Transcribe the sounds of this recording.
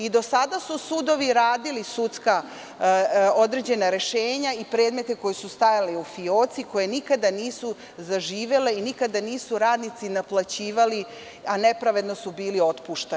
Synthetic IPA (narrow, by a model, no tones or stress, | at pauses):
id̪o̞sad̪asusud̪o̞ʋiɾaːd̪ilisut̪ska | o̞d̪ɾe̞d͡ʑe̞naɾe̞ʃeːɲaipɾeːd̪me̞t̪eko̞jesust̪ajaleufioːt̪siko̞jenikad̪aniːsu | zaʒiːʋe̞le̞inikad̪aniːsuɾaːd̪nit̪sinaplˠat͡ɕiːʋali | ane̞pɾaʋe̞d̪no̞subiːlio̞t̪puʃt̪a